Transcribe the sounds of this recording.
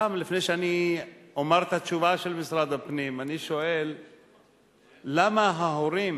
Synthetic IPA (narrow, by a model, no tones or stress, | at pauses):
mlifnejʃeaniomaʁt̪at͡ʃuvaʃelmisɾad̪apnimaniʃoʔel | amaɦaɦoɾim